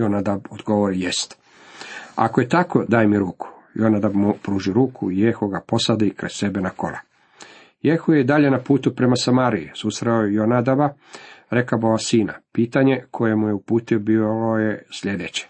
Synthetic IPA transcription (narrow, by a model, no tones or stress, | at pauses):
jonad̪abod̪ɡo̞ʋoɾijest̪ | a̰koje̞t̪ako̞d̪aːjemiɾuːkʰu̥jonad̪abmupɾuːʒiɾuːkʰuijexoɡapo̞sad̪ikɾessebenako̰la̰ | jexuje̞id̪aʎe̞napuːt̪upɾe̞masamaːɾiisuːst̪ɾaojjonad̪abaɾekaboʋasiːna̰piːt̪aɲe̞kʰo̞je̞mujeupuːt̪iobijesʎe̞d̪et͡ɕe̥